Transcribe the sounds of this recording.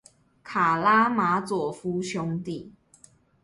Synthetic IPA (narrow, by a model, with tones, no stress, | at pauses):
kʰa˨˩la˦˥ma˨˥t͡swɔ˨˩fu˦ɕʰjʊ˦ŋt̪i˥˨